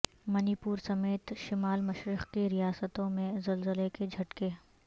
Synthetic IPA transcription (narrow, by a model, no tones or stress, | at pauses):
mɐnipuːɾsɐmeːt̪ʃɪmaːlmɐʃɾɪqkiɾijaːsət̪õmẽzɐlzəleked͡ʒʱɐʈke